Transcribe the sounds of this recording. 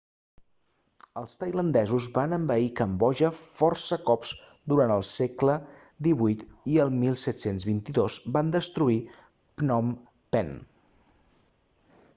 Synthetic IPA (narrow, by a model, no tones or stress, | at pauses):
əlˠst̪əjlənd̪ɛzuzβanəmbəikəmbɔʒəfɔrsəkɔpzd̪uɾant̪əlˠsɛklə | d̪iβujt̪iəlˠmilˠsɛt̪senzβint̪iðozband̪əst̪ɾui | pnɔm | pɛn